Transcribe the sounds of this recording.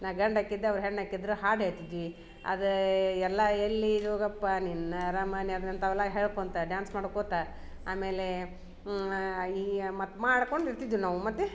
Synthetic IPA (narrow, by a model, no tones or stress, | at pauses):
naɡɐɳɖaːkːid̪ːeɐʋɾɦeːɭnakːid̪ɾuɦaːɾɖɦeɭt̪id̪i | ɐ̰d̪ɐɛlːɐelːiɾoːɡɐpːaninːɐɾaːmaːniɐd̪ɾɐnt̪ɐʋɛlːɐɦeːɭkoːnt̪ɐɖjaːnsmaːɽukot̪a | aːme̞ːle | iːmɐt̪ːmaːɽko̞ɳɖiɾt̪id̪ɾunaːʋumɐt̪ːe